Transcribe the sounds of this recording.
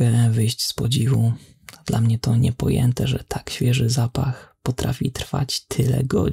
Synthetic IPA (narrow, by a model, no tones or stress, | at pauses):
ɛvɘjɕt͡ɕspɔd͡ʑivu | d̪lamɲɛt̪ɔɲɛpɔjɛ̰nt̪ɛʐɛt̪ʰakɕfʲjɛʐɘzapaxpɔt̪ɾʔafʲit̪ɾfa̰t͡ɕt̪ʰɘlɛ̰ɡɔ̰